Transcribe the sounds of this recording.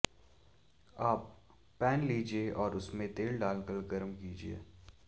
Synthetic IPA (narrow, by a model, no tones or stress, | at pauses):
aːpː | ɛːnliːd͡ʒieʔɔːɾʊsmẽt̪eːlɖaːlkəɾɡɐɾmkiːd͡ʒiḛː